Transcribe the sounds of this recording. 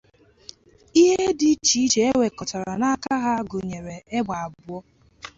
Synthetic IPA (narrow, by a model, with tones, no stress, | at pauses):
i˦ɦe˦dɪ˦t͡ʃi˨˦t͡ʃe˨e˦we˨kɔ˨ta˨ɾa˨na˦ka˦ɦa˦ɡʊ˨ɲe˨ɾe˨e˦ɡ͡ba˨a˨bʊ˨˦ɔ˦